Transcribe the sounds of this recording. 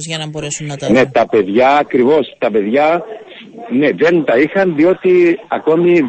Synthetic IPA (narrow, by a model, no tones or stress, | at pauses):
ne̞t̪ɐpe̞ðʝɐːkɾivo̞st̪ɐpe̞ðʝɐ | neðe̞nt̪ɐixɐnðio̞t̪iɐko̞mi